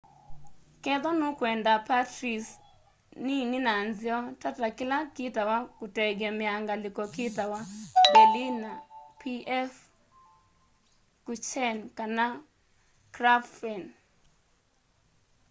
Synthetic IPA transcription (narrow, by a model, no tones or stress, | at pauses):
kɛðɔnʊkwɛndapatɾis | nininanzɪɔtatakɪlakitawakutɛɡɛmɪaŋɡalɪkɔkitawakelinapʰiɛf | kut͡ʃɛnkana | kɾaffɛn